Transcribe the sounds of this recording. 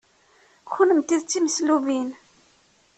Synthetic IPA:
xunəmt̪iðt͡sːiməsluvin

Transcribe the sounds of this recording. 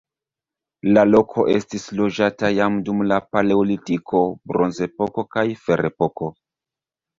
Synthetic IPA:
lalo̞kʰo̞ʔe̞stislo̞d͡ʒatajamdumlapale̞olitikʰo̞bɾonze̞po̞ko̞kajfe̞ɾʔepo̞ko̞

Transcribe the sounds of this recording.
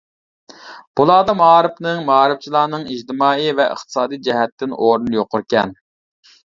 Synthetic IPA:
b̥ulˠɑːd̪ɑmɑːɾɨpnɨŋmɑːɾɨft͡ʃʰilˠɑːnɨŋid͡ʒt̪ɨmɑːivɛʔə̰χt̪ʰɨ̥sɑːd̪ijd͡ʒɛɦɛt̪ːɪnʔoɾunjoqʰʊɾkʲɛ̰n

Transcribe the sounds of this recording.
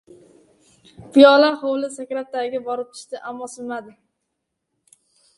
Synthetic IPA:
pijɒlaɾχowlɪsakʲɾat̪ːaɡʲɪbɒɾɪp̚t̪ʰɪ̥ʃt̪ɪʔamːɒsɪmad̪ɪ

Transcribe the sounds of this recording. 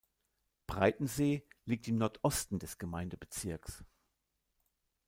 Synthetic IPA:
b̥ʁaɪtn̩zeːliːk̚tɪmnɔɐtʰʔɔstn̩dɛsɡ̥əmaɪndəbət͡sɪɐks

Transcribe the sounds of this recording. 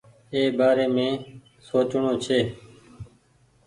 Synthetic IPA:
eːbaːɾeːmẽː | soːt͡ʃɳõːt͡ʃʰeː

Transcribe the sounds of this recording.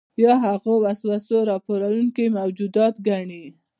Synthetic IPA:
bjɑɦaɣowaswasoɾɑpoɾawuŋkimawd͡ʒud̪ɑt̪ɡaɳi

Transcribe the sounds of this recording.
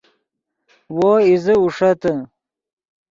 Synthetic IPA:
woːizəuʂɐt̪ə

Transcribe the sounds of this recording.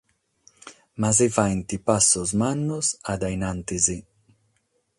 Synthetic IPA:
mazɪvajnt̪ipasʊzmanʊzad̪ajnant̪ɪzɪ

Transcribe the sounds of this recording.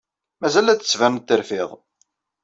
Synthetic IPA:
mæzælæt͡sːə̥svæmt̪ːəɾfɪʁˤ

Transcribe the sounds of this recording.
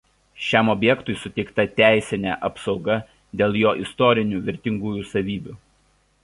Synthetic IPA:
ʃʲɛˑmɔbʲjɛkt̪ʊɪsʊt̪ʲɛɪkt̪ɐt̪ʲæˑɪsʲɪnʲɛ̰ˑʔɐpsɒʊɡɐ | d̪ʲeːlˠjoːʔɪst̪ɔɾʲɪnʲuːʋʲɪɾʲt̪ʲɪŋɡuːjusɐʋʲiːbʲuːˑ

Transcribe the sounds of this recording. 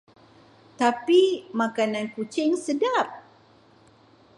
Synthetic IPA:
t̪apimãkanãnkut͡ʃɪŋsədap̚

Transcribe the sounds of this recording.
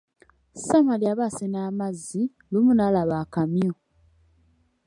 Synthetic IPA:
samaljaβasenaːmazːi | lumunalaβaːkamjo

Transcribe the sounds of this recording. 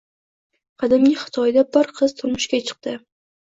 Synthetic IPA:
qʰɑd̪ɪmnʲɪχɨ̥t̪ʰɒjd̪abɪɾqʰɨz̥t̪ʰʊɾmʊʃkʲat͡ʃʰɨ̥q̚t̪ɪ

